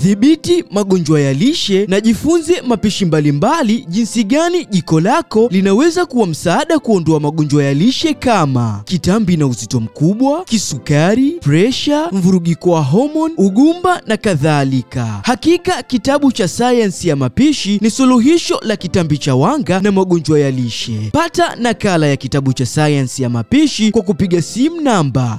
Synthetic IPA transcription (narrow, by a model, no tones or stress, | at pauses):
θiɓitimaɠɔɲd͡ʒwajaliʃɛnaʄifunzɛmapiʃimbalimbaliʄinsiɠaniʄikɔlakɔlinawɛzakuwam̩saːɗakuɔndɔamaɠɔɲd͡ʒwajaliʃɛkama̰kitambinauzitɔm̩kuɓwakisukaɾipɾɛʃam̩vuɾuɠikɔwaɦɔmɔnuɠumbanakaðalika̰hakikakitaɓut͡ʃasajansijamapiʃinisuluɦiʃɔlakitambit͡ʃawaŋɡanamaɠɔnd͡ʒwajaliʃɛpatanakalajakitaɓut͡ʃasajansijamapiʃikwak̬upiɠasimunamba